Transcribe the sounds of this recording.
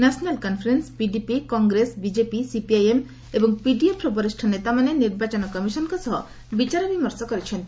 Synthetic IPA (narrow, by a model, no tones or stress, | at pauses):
nɛsʰɔnalkɔnfʰɾenspiɖipikɔŋɡɾesbid͡ʑepisipiajem | ebɔŋpiɖiepɾɔbɔɾiʃʈʰɔnet̪amaneniɾbat͡ɕɔnɔkɔmiʃɔnkɔsɔɦɔ | bit͡ɕaɾɔbimɔɾsɔkɔɾet͡ɕʰen